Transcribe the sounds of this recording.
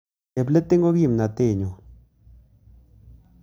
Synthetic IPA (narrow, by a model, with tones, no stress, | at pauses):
e˨ple˦t̪e˦ŋɡo˦ki˦˨mna˨t̪e˦˨ɲo˨